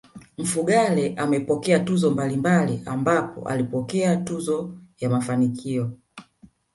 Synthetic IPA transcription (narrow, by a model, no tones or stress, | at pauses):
m̩fuɡalɛʔamɛpɔkɛatuzɔmbalimbaliʔambapɔ̰ʔa̰lipɔkɛatuzɔjamafanikʰiɔ